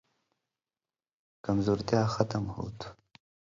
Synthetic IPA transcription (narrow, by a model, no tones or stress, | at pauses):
kɐmzoːɾt̪jaːxɐt̪əmho̰ːt̪